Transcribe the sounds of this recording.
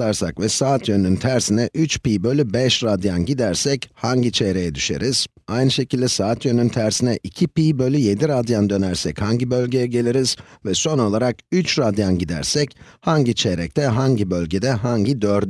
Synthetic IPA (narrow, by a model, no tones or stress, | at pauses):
aɾsakvɛsaːt̪ʰjønynt̪ʰæɾsinɛʔyt͡ʃpiːbø̞lʲybɛʃɾad̪janɟid̪æɾsɛchaɲɟit͡ʃʰeɾe̞jɛd̪yʃe̞̰ɾiz̥ | ajnɯʃe̞cilʲd̪ɛsaːt̪ʰjønynt̪ʰæɾsinɛʔicʰipiːbø̞lʲyje̞d̪iɾad̪jand̪ø̞næɾsɛchaɲɟibø̞lʲɟe̞jɛɟe̞lʲiɾiz̥vɛso̞no̞lˠaɾakyt͡ʃɾad̪janɟid̪æ̰ɾsɛchaɲɟit͡ʃʰeɾɛc̚t̪ʰɛɦaɲɟibø̞lʲɟed̪ɛɦaɲɟid̪øɾd̪